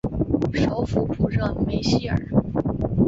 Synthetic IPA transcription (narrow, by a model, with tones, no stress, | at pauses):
ʂo˧˥ʊfu˨˩pʰu˨˧˩ʈ͡ʂɤ˥˩ŋme˧˥ɪɕi˥˩ə̰˨˩